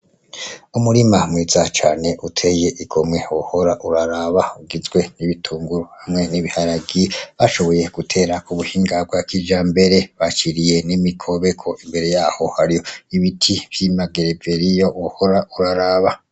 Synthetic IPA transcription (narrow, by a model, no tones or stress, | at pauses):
umuɾimamwiːzat͡ʃaːne̞ʔutʰe̞je̞ʔiɡo̞mŋe̞woho̞ɾaʔuɾaɾaβauɡizɡwe̞niβitʰuːŋɡuɾohamŋe̞niβihaɾaɡiβaʃo̞βo̞je̞ɡ̥utʰe̞ːɾakuβuhiːŋɡab̚ɡakid͡ʒaːmbe̞ɾe̞βat͡ʃiɾije̞nimikʰo̞βe̞kʰo̞ʔimbe̞ɾe̞jaːho̞haɾijo̞iβitʰiβ̥jimaɡeɾeveɾijo̞woho̞ɾaʔuɾaɾaːβa